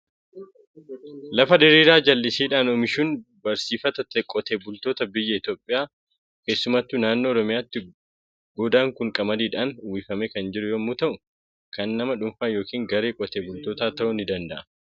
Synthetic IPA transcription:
lɐfɐd̪ɪɾiːɾaːd͡ʒɐlːɪsiːᶑaːnoːmɪʃuːnbɐɾsiːfɐt̪ɐt̪ːɛkʼɔt̪eːbʊlt̪oːt̪ɐbɪjːɐɪt̪oːpʼːɪjaː | ke̞ːsːʊmat̪ːuːnaːnːoːɾɔmɪjaːt̪ːɪ | ɡoːd̪aːŋkʊŋkʼɐmɐd̪iːᶑaːnʊwifɐmɛkɐnd͡ʒɪɾʊjoːmuːt̪ɐʔʊ | kɐnːɐmɐᶑʊɱfaːnjo̞ːkiːŋɡɐɾeːkʼɔt̪eːbʊlt̪o̞ːt̪aːt̪ɐʔʊnɪd̪ɐnd̪ɐʔɐ

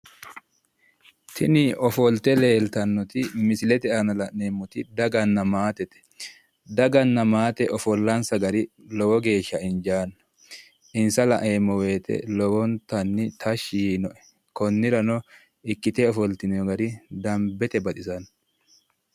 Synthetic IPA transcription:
t̪ʰɪnɪɔfɔlt̪ɛle̞ːlt̪ɐnːɔt̪ɪmɪsɪlɛt̪ɛɐnɐlɐʔeːmːɔt̪ɪd̪ɐɡɐnːɐmaːt̪ɛt̪ɛ̥ | d̪ɐɡɐnːɐmaːt̪ɛʔɔfɔlːɐnsɐɡɐɾɪ | lɔwɔɡe̞ːʃːɐɪnd͡ʒaːn | ɪnsɐlɐ̰ʔeːmːɔwe̞ːt̪ɛ̰lɔwɔnt̪ɐnːɪt̪ʰɐʃiiːnɔʔɛ̥ | kɔnːɪɾɐnɔ | ɪkːɪt̪ɛɔfɔlt̪ɪnɛɔɡɐɾɪd̪ɐmbɛt̪ɛbɐt̪ʼɪsɐn

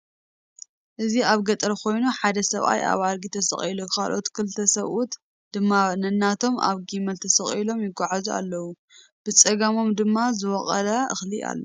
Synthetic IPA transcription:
ʔɨziaβɡɐt̪ʼɐɾkʰo̞jnuħad̪ɐsɐβa̰jʔa̰βalɡit̪ʰɐsɐ̰χʼilokʰa̰lʔo̞t̪kʰɨlɨt̪ʰɐsɐβut̪ | d̪̥ɨmːanɐnːat̪ʰo̞ma̰βɡimɐlt̪ʰɐsɐχʼilo̞mjɪɡaʕazua̰lːɐwu | b̥ɨt͡sʼɐɡɐmo̞md̪ɨmːazɨwɔχʼɐ̰lɐɨxlia̰lːo

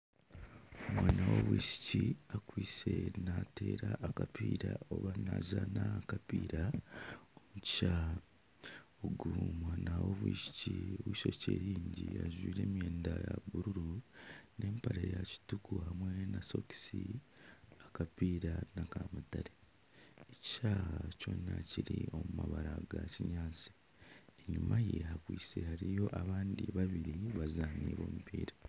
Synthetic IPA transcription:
omwaːnawo̞βwiʃi̥ciakwiːse̞nate̞ːɾaʔːkapiːɾao̞βanaʒanakapiːɾa | omuci̥ʃaː | oɡumwaːnawoβwiʃi̥cioβwiːʃo̞ceːɾiːɲɟiaʒwiːɾe̞ːmje̞ːndajaβuɾuɾunʔe̞ːmpaɾejaci̥tukuhamwe̞naso̞ki̥si | akapiːɾanakamutaɾeː | ci̥ʃaːhaco̞ːnːaciɾio̞mumaβaɾaɡaciɲaːt͡si̥ | eɲumajeɦakwiːsehaɾijo̞ʔaβaːndiβaβiɾiβazaːniːβo̞̰ːmupiːɾa

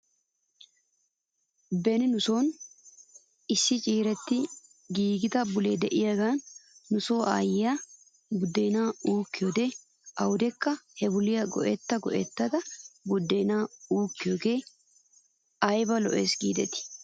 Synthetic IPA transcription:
bɛnɪnʊso̞ːn | ɪsːɪt͡ʃʼiːɾɛt̪ːɪ | ɡiːɡɪt̪ɐbʊleːd̪ɛʔɪjaɡaːnːʊso̞ːʔa̰ːjɪjaː | bʊd̪ːɛjnaːuːkːɪjoːd̪eː | ʔɐwʊd̪ɛkːɐhɛbʊlɪjɐɡɔ̰ʔɛt̪ːɐɡɔ̰ʔɛt̪ːɐd̪ɐbʊd̪ːɛjnaːuːkːɪjoːɡe̞ː | ɐjbɐlɔʔeːsɡḭːd̪ɛt̪ɪ̥

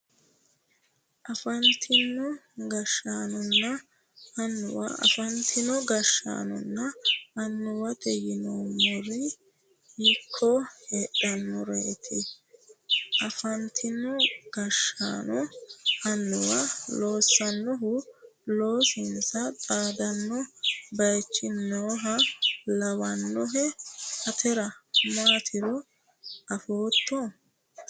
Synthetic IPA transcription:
ʔɐfɐnt̪ʰɪnːɔɡɐʃːaːnʊnːɐ | ɐnːʊwɐ̰ʔɐ̰fɐnt̪ʰɪnɔɡɐʃːa̰ːnʊ̰nːɐɐnːʊwɐt̪ʰʼɛjɪnomɔɾɪ | hɪkʰːɔheːɗɐnːʊɾeːt̪ʰɪ | ʔɐfɐnt̪ʰɪnɔɡ̥ɐʃa̰ːnɔhɐnːɔwɐloːsːɐnːɔɦʊloːsɪnsɐt͡sʼaːd̪ɐnːɔbɐjt͡ʃːɪnːoːɦɐlɐwɐnːɔɦɛhɐt̪ʰɛɾɐmaːt̪ʰɪɾɔ | ʔɐfoːt̪ːɔ

